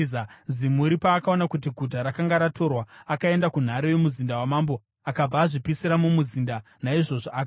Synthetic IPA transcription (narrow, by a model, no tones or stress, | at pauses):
zimuɾipaːkao̞nakut̬iɡʱutaɾakaŋɡaɾato̞rwaakae̞ndakun̤aɾejemuzindawamaːmbo̞ | akab͡vaːʐipisiɾamumuzinda | naiʐo̞ʐaːka